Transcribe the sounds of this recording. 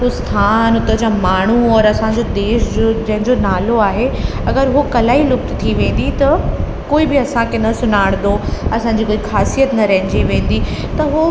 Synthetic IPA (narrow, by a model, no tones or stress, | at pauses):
ɦʊst̪ʰaːnʊt̪əd͡ʑamaːɳ̤uɔːɾɐsãɲd͡ʑod̪eːʃd͡ʑod͡ʑɐ̃ɦɪ̃ɲd͡ʑonaːloaːɦeɐɡəɾɦukɐlaːilʊkt̪t̪ʰiʋẽːn̆d̪it̪ɐ | koːibɪɐsãkʰenɐsʊnaːɪɽ̃d̪oɐsãːɲd͡ʑikoːixaːsijət̪nɐɾɐɦɪ̃ɲ̆d͡ʑiʋẽːn̆d̪i | t̪ɐɦo